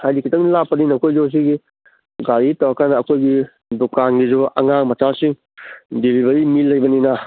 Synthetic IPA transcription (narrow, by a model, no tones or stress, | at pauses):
hajdikʰːitɐŋlapːɐninakʰojd͡ʒɔs̬iɡi | ɡaɾitawakʰanaːkʰojɡi | dukanɡizuɐ̰ŋaŋmatasiŋ | dibibɐɾimilɐjbɐnina